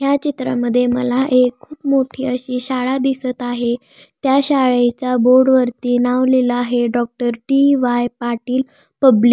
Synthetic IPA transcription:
ɦjat͡ɕit̪ɾa̰məd̪ʱːjemə̰laʔekʰːuːpmoʈʰiːəɕiːɕaɭad̪isət̪aɦe | t̪jaɕaɭet͡saboɾɖʋəɾt̪iːnaʋleləaɦeɖɔk̚ʈəɾʈiʋajpaʈiːl | pəblik

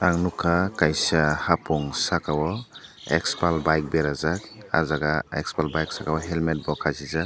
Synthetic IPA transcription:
aŋnukʰakajsahapɔŋsakawɔekspalbajk̚beɾazak̚a̰zaɡaḛkspalbajksakawɔɦelmet̚bɔkʰazizak̚

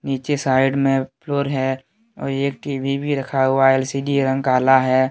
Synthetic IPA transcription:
niːt͡ʃesaːɪɖmẽpʰloːɾɦɛ | ɔ̰ːɾeːk̚ʈiːbʱibʱiɾɐkʰaɦʊaeːlsiːdiɾə̃ŋɡkaːlaɦɛː

